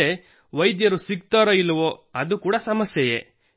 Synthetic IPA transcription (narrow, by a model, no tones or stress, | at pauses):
e | ʋɐjd̪jɐɾusiɡt̪aːɾɐilːɐʋoɐd̪ukuːɽɐsɐmɐsjɐjḛ